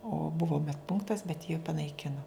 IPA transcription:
oː ˈbʊʋoː mʲɛt ˈpʊŋktɐs bʲɛt jiː pɐnɐɪˈkʲɪnoː

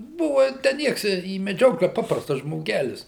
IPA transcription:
ˈbʊʋɐ tʲæː ˈnʲiɛks iː mʲɛˈd͡ʒʲoːklʲæː ˈpɑːprɐstɐs ʒmoːˈɡʲæːlʲɪs

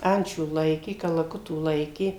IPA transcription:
ˈɐnʲt͡ʃʲuː ˈlˠɐɪkʲeː kɐlˠɐˈkʊtuː ˈlˠɐɪkʲeː

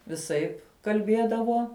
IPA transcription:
ʋʲɪˈsɐɪp kɐlʲˈbʲiɛdɐʋoː

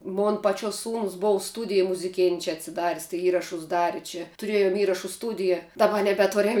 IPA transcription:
ˈmoːn pɐˈt͡ʃʲuɔs ˈsuːnʊs ˈboːw ˈstuːdʲɪjɛ mʊzʲɪˈkʲeːnʲ t͡ʃʲɛ ɐtʲsʲɪˈdɐrʲsʲ tɐɪ ˈiːrɐʃʊs ˈdɑːrʲɪ t͡ʃʲɛ tʊˈrʲeːjʊm ˈiːrɐʃʊ ˈstuːdʲɪjɛ dɐˈbɐ nʲɛbʲɛˈtʊrʲɛm

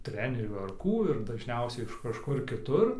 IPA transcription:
ˈtʲrʲæːnʲɛrʲuː ɐr ˈkuː ɪr dɐʒʲˈnʲɛʊsʲɛɪ ɪʃ kɐʃˈkʊr kʲɪˈtʊr

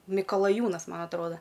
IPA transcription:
mʲɪkɐlˠɐˈjuːnɐs ˈmɐn ɐtˈroːdɐ

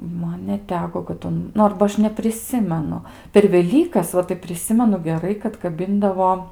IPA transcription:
ˈmɐn nʲɛˈtʲæːkoː kɐt ˈʊn ˈnʊ ˈɐrbɐ ˈɐʃ nʲɛpʲrʲɪˈsʲɪmʲɛnʊ pʲɛr ʋʲɛˈlʲiːkɐs ˈʋɐ tɐɪ pʲrʲɪˈsʲɪmʲɛnʊ ɡʲɛˈrɐɪ kɐt kɐˈbʲɪndɐʋoː

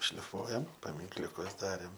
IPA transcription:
ʃʲlʲɪˈfuɔjɛm pɐmʲɪŋklʲʊˈkʊs ˈdɑːrʲeːm

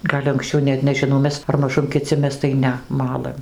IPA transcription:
ˈɡɐlʲ ɐŋksʲˈt͡ʃʲɛʊ ˈnʲɛt nʲɛʒʲɪˈnɐʊ ˈmʲɛs ɐr mɐˈʒʊm kʲɪˈt͡sʲɪ ˈmʲɛs tɐɪ ˈnʲɛ ˈmɑːlˠɘm

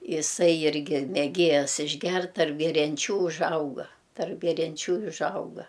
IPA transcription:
ɪˈsɐɪ ɪrʲˈɡʲɪ mʲɛˈɡʲeːjɛs ɪʒʲˈɡʲɛrt tɐrp ɡʲɛrʲɛnʲˈt͡ʃʲuː ʊʒˈɐʊɡɐ tɐrp ɡʲɛrʲɛnʲˈt͡ʃʲuː ɪ ʊʒˈɐʊɡɐ

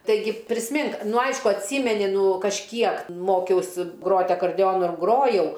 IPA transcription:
tɐɪˈɡʲɪ pʲrʲɪsʲˈmʲɪŋk ˈnʊ ˈɐɪʃkʊ ɐtʲˈsʲiːmʲɛnʲɪ ˈnuː kɐʃʲˈkʲiɛk ˈmoːkʲɛʊsʲɪ ˈɡroːtʲ ɐkɐrʲˈdʲɛoːnʊ ˈɡroːjɛʊ

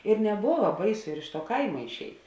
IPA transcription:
ɪr nʲɛˈboːʋɐ ˈbɐɪˌsʊ ɪr ɪʃ tuɔ ˈkɐɪmɐ ɪʃʲˈɛɪt

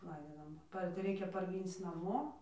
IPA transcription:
ˈlˠɐɪdʲiːdɐʋoːm ˈpɐrʲ tɐɪ ˈrʲɛɪkʲɛ pɐrʲˈɡʲiːnt͡s nɐˈmoː

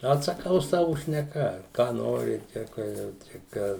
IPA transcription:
ɐtsɐˈkɐʊ ˈsɑːʋʊ ʃʲnʲɛˈkɐ kɑː ˈnoːrʲɪ ˈt͡ʃʲɛ kɐ ˈjɛʊ t͡ʃʲɛ ˈkɑː

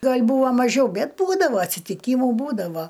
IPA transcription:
ˈɡɐlʲ ˈbuːʋɐ mɐˈʒʲɛʊ ˈbʲɛt ˈbuːdɐʋɐ ɐtʲsʲɪtʲɪˈkʲiːmʊ ˈbuːdɐʋoː

